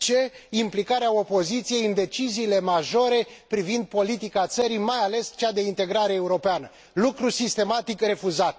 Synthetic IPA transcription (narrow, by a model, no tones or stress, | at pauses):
t͡ʃe̞implikaɾeao̞po̞zit̪sije̞jɨnd̪e̞t͡ʃiziːle̞maʒo̞ɾe̞pɾivind̪̚po̞lit̪ikat̪səɾimajale̞st͡ʃad̪e̞int̪e̞ɡɾaɾeːuɾo̞peanə | lukɾusist̪e̞mat̪ikre̞fuzat̪̚